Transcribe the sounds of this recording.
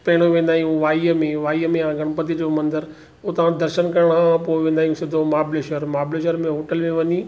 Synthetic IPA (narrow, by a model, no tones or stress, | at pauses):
pɐɦɪɽ̃oʋẽːnd̪aːɦijũʋaːiəmẽʋaːiəmẽjãɡʱɐɽ̃pɐt̪̬id͡ʑomɐ̃nd̪əɾ | ot̪ɐʋ̤ãd̪ɐɾʃənkɐɾɽ̃ãpoːʋẽːnd̪aːɦijũsɪd̪ʱomaːbleːʃəɾmaːbleːʃəɾmẽɦoːʈəlmẽʋɐɲi